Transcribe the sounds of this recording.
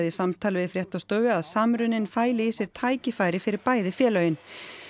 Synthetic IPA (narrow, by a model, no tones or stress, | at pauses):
ðɪsamt̪ʰaːlvɪðfɾjɛht̪awst̪œːvɪaðsaːmɾʏnɪnfaːjlɪisjɛɾ̥t̪ʰaːjcɪfaːjɾɪfɪɾɪɾpaːjðɪfjɛːlœːɥjɪn